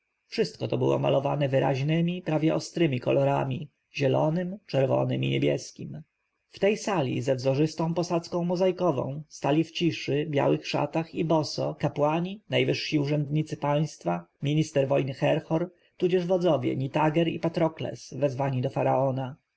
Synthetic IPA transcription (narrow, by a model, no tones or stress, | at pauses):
fʂɘst̪̚kɔt̪ɔbɘ̰wɔ̰ma̰lɔvanɛvɘɾa̰ʑnɘmʲipɾavʲjɛʔɔst̪ɾɘmʲikɔlɔɾamʲi | ʑɛlɔnɘmt͡ʂɛɾvɔ̰nɘ̰mʲḭɲebʲjɛ̰skʲim | ft̪ɛjsalʲḭzɛvzɔʐɘst̪ɔ̃w̃pɔsat̪skɔ̃w̃mɔzajkɔvɔ̰̃w̃st̪alʲift͡ɕiʂɘbʲja̰wɘxʂa̰t̪axibɔsɔkapwaɲinajvɘʂɕiuʐɛnd̪ɲit̪sɘpaj̃st̪famʲiɲist̪ɛɾvɔjnɘxɛɾxɔɾ | t̪ud͡ʑɛʐvɔd̪zɔvʲjɛ̰ɲit̪aɡɛɾḭpat̪ɾɔklɛ̰svɛzvaɲid̪ɔfaɾaɔna